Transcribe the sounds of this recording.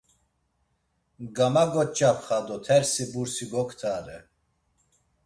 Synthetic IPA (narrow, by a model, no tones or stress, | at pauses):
ɡamaɡɔt͡ʃʼapχad̪ɔt̪ʰɛɾsibuɾsiɡɔkʰt̪ʰaːɾɛ